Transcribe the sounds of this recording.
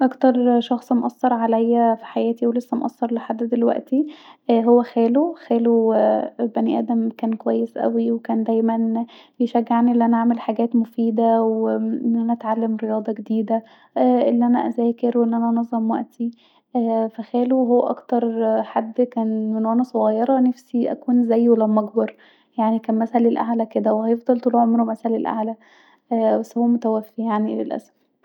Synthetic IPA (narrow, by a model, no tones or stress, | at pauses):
ʔɑkt̪ɑɾˤʃɑxsˤmoʔɑsˤːɑɾˤʕalæjːæfi̥ħajæːt̪iwelesːæmoʔɑ̰sˤːɑɾˤleħad̪ːd̪elwæ̰ʔt̪iɦowːæxæːloxæːlo | bæniʔæ̰ːd̪æmkæːnkowæjːesʔæ̰wiwekæːnd̪æjmæn | jeʃæɡːeʕniʔelːiʔænæʔaʕmelħaɡæːt̪mofiːd̪æwʔenːʔænæʔæt̪ʕalːæmɾejɑːd̪ˤɑɡed̪iːd̪æ | ʔelːiʔænæ̰ʔæzæːkeɾwʔenːʔænæʔnɑzˤːɑmwæ̰ʔt̪ʰi | fæxæːluwɦowːʔɑ̰kt̪ɑɾˤħad̪ːkæːnmenwʔænæsˤoɣɑjːɑɾˤɑnæfsiʔæ̰kuːnzæjwelæmɑɡbɑɾˤ | jaʕnikæːmmæsælelʔa̰ʕlæked̪æwehæjefd̪ˤɑlt̪ˤulːʕomɾumæsælelʔa̰ʕlæ | wæsːæhowːæmot̪æwæfːijaʕnilḛlʔæ̰sæ̥f